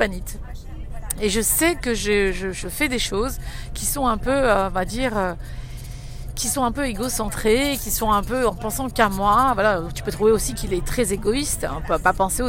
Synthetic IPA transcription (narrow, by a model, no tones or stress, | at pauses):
panit̪ | eʒəsɛkəʒəʒəʒəfɛd̪eʃozkʲisɔ̃ɛ̃pøøɔ̃vad̪iːʁø | kʲisɔ̃ɛ̃pøeɡosɑ̃t̪χekʲisɔ̃ɛ̃pøɑ̃pɑ̃sɑ̃kamwavwalat̪ypøt̪χuveosikʲilɛt̪χɛzeɡɔist̪ɔ̃ppapɑ̃seo